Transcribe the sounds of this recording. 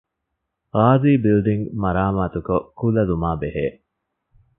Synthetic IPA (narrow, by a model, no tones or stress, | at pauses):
ɾaːziːbilɖ̪iŋɡmɐɾaːmaːt̪ukokulɐlumaːbeɦeː